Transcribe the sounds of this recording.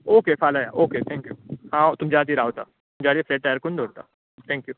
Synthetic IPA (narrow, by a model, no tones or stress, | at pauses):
oːkefʰaːlaja̰ːʔoːket̪ʰɛ̃ːŋkjṵːhãːot̪ʊmd͡ʒaːd̪iɾaːot̪a̰ːt̪ʊmd͡ʒaːɾiefleːʈ̚ʈajəɾkond̪oːɾt̪a̰ː | t̪ʰɛ̃ːŋkjuː